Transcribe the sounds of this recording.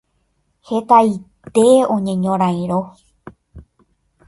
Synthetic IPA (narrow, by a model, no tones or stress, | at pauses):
he̞t̪ait̪e̞õɲẽɲõɾ̃ãj̃ɾo